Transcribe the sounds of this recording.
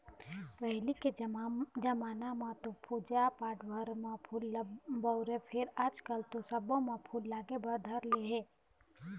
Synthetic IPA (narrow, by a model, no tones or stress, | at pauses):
pɛɦliked͡ʒɐmaːnamãt̪opʰud͡ʒapaːʈbəɾmãpʰuːlbəʊɾepʰɪɾaːd͡ʒkəlt̪osɐbõmãpʰuːlːaːɡebəɾd̪ʱəɾleɦẽː